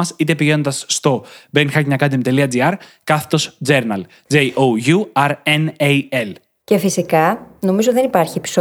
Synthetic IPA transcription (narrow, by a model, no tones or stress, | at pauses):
ɐsit̪e̞piʝe̞nond̪ɐsːt̪o̞benxɐcɲɐkɐd̪imt̪e̞liɐd͡ziɐɾkɐθt̪o̞sd͡ze̞ɾnɐl | d͡zeiʔoʝuɐɾeneiel | ce̞fisikɐno̞mizot̪iðenipɐɾçiepi̥so